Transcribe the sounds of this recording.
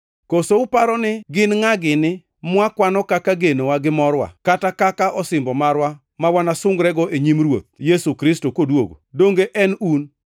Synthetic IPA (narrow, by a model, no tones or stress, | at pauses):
kosoʊpaɾɔnɪɡɪnŋaɡɪnɪ | mwakwanɔkakaɡenowaɡɪmɔɾwa̰katakakaʔɔsɪmbɔmaɾwa | mawanasʊŋɡɾɛɡɔʔeɲimrwo̰t̪̚jesukɾɪstokodwo̰ɡo̰doŋɡeʔɛnun